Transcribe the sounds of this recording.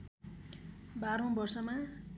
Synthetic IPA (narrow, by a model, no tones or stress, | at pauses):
baɾõbʌrsʌma